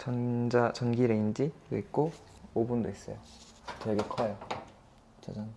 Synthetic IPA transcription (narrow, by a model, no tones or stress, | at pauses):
t͡ɕʌnd͡ʑat͡ɕʌnɡiɾeind͡ʑidoik̚k͈o | obundois͈ʌ̰jo | t͡ɕeɡekʰʌjo | t͡ɕad͡ʑaŋ